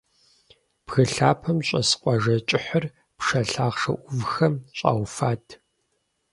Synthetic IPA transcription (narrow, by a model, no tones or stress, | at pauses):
pxɐɬaːpʰɐmɕʼɐsqʷʼɔʒɐt͡ʃʼɪħɐr | pʂɐɬaːʁʂɐ̰ʔʷʊvxɐmɕʼa̰ːwfaːtʰ